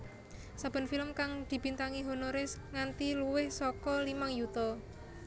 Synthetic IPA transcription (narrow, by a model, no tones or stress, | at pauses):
sab̥ə̤nfiləmkaŋd̪̥i̤b̥int̪aŋiɦonoɾɛsŋant̪iluwɪhsɔkɔlimaŋjut̪ɔ